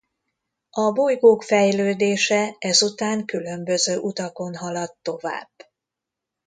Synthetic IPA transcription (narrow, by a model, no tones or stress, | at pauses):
ɒbo̞jɡoːkfɛjløːd̪eːʃɛɛzut̪aːŋkylø̞mbø̞zøːʔut̪ɒko̞nɦɒlɒt̪ːo̞va̰ːb̥ː